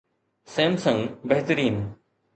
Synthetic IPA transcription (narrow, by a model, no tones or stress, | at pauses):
seːmsɐ̃ŋɡbeɦt̪əɾiːn